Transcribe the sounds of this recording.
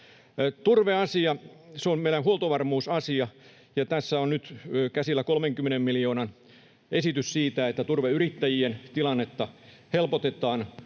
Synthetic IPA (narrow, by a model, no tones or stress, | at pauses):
t̪urʋeɑsiɑseommeilænhuolt̪oʋɑrmuːsɑsiɑ | jɑt̪æsːæonnyt̪ːkæsilːækolmeŋkymːenemmilijoːnɑn | esit̪yssiːt̪æet̪ːæt̪urʋeyrit̪ːæjient̪ilɑnːet̪ːɑhelpot̪et̪ɑːn